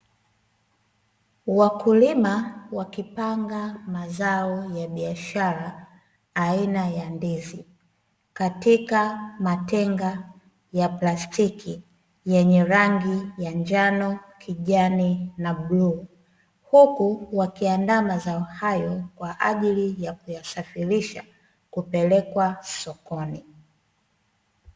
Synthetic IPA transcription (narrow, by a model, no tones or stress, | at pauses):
wakulimawakipaŋɡamazaɔjaɓiaʃaɾaː | inajandɛzi | katikamatɛŋɡa | japlastiki | jɛɲɛɾaŋɡijaɲd͡ʒanɔkʰiʄaninaɓlu | hukuwakiandamazaɔhajɔkwaʔaʄilijakujasafiɾiʃa̰ | kupɛlɛkwasɔkɔni